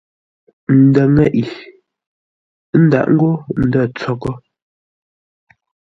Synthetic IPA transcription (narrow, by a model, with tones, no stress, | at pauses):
n̩˨dɛ˨ŋɛ˦˨ʔi˨ | n̩˦da̰˨ʔŋ̩˦ɡo˦n̩˨də˦˨t͡sɔ˦kɔ˦